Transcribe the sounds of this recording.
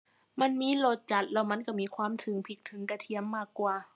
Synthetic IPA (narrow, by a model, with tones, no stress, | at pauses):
ma˧˥˨nmiː˧˥˨lo˧˩t̪̚t͡ɕa˧˩t̪̚lɛː˧˩wma˧˥˨nka˧˩miː˧˥˨kʰwaː˧˥˨mt̪ʰɯ˨˦ŋpʰi˧˩k̚t̪ʰɯ˨˦ŋka˧t̪ʰi˧˩əmːaː˧˩kːwaː˨˧˩